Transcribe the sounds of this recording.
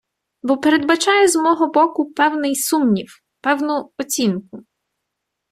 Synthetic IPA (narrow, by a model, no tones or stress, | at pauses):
bɔpeɾed̪̚bɐt͡ʃɑjɛzmɔɦɔbɔkʊpɛwnɪjsumnʲiw | pɛwnʊɔt͡sʲinkʊ